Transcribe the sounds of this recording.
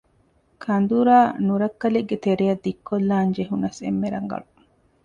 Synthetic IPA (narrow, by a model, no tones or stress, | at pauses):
kʰɐnd̪uɾaːnuɾɐkːɐleɡːet̪eɾejɐd̪ːikːolːaːnd͡ʒeɦunɐsḛmːeɾɐ̰ŋɡɐ̰lu